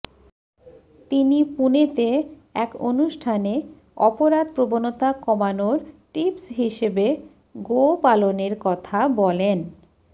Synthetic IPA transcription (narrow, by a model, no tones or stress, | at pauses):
t̪inipunet̪e | ɛkonuʃʈʰane | ɔpoɾad̪pɾobonot̪akɔmanoɾʈipsɦiʃebe | ɡopaloneɾkɔt̪ʰabɔlen